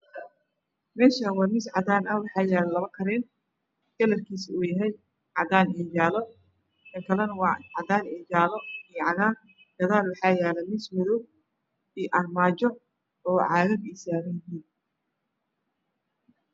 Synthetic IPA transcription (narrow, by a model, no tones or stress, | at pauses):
mɛːʃɐwɑmɪsʕɑd̪aːnɐwɑħɑːjɛːlɐlɐβɐkʰɐɾɛːn | ɡ̥ɐlɐrkʰiːsuːjɐɦɛj | ʕɑðaːnɛːjaːlɔ | k̪ʰɐŋkʰɐlɐnɐwɑːʕɑd̪aːnɛːjaːlɔijʕɑðaːn | ɡ̥ɐðaːlwɑħɑːjɛːlɐmɪsmɔðɔɡ̚ | ijʔɐrmaːt͡ʃɔ | ɔːʕɑːɣɐbiːsaːɣɐnɦiːn